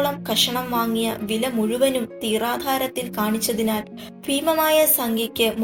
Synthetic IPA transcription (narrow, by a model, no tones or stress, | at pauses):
ɭɐmkɐʂɐɳɐmʋaːŋːijɐ̰ʋilɐmuɻuʋɐnumt̪iːraːd̪ʱaːɾɐt̪ːilkaːɳit͡ɕːɐðinaːl | priːmɐmaːjɐsɐŋɡʱɐkʲːɨm